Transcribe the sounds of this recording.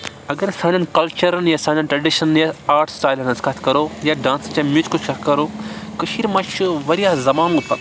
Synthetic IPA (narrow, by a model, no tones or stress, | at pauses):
ɐɡɐɾsãːnɐnkɐlt͡ʃɐɾɐnjasaːnɐnʈɾɐɖiʃɐnnjaaːɾʈsʈaːjlnɐskʰɐt̪ʰkɐɾoːjaɖãːnst͡ʃɐmit͡ʃkut͡ʃkʰɐkɐɾoːkɐʃiːɾmɐ̃t͡ʃuʋɐɾijazɐmaːnup̪ɐ